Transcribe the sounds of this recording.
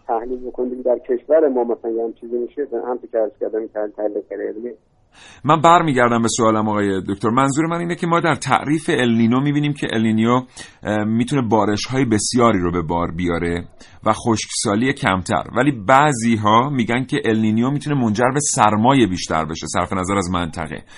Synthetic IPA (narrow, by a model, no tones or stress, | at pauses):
t̪ʰæhlilbokʰonimd̪eɡd̪æɾcʰeʃvæɾemɒːmæsælænjeamt͡ʃʰiːzimiʃehæmt͡ʃ̪ocʰeæɾz̥kʲʰæɾd̪æmit̪ʰælilt̪ʰæhlid̪eæɾeeln | mænbæɾmiːɟæɾd̪æmbe̞soɒːlæmɒːɣɒːjed̪oct̪o̞ɾmænzuːɾemæniːnecʰe̞mɒːd̪æɾt̪ʰæ̰ʔɾiːfe̞elninomiːbiːniːmcʰeʔelninijo | miːt̪ʰune̞bɒːɾe̞ʃhɒːje̞be̞sjɒːɾiːɾobe̞bɒːɾbijɒːɾe̞ | væxoʃksɒːlije̞cʰæ̰mt̪ʰæ̰ɾvæliːbæʔziːɦɒːmiːɟænkʰe̞ʔelniːnijomiːt̪ʰune̞mo̞nd͡ʒæɾbe̞sæɾmɒːje̞biːʃt̪ʰæ̰ɾbeʃesæ̰ɾfe̞næzæɾæzmænt̪ʰæ̰ɣḛ